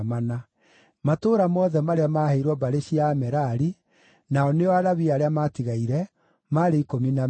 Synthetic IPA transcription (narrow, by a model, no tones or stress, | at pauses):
mana | matoːɾamɔðɛmaɾeamaheiɾwɔbaɾeɕiamɛɾaɾi | naɔneɔaɾaβiaɾeamatiɣaiɾɛ | maɾeikomina